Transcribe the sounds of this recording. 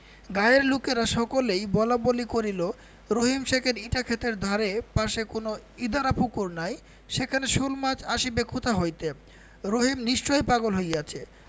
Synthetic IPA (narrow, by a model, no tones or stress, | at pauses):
ɡajeɾlukeɾaʃɔkolejbɔlabolikoɾilo | ɾoɦimʃekʰeɾiʈakʰet̪eɾd̪ʱaɾepaʃekonoid̪ʱaɾapukuɾnaj | ʃekʰaneʃulmad͡ʑaʃibekʰut̪aɦojt̪e | ɾoɦimniʃt͡ɕojpaɡolɦojat͡ɕʰe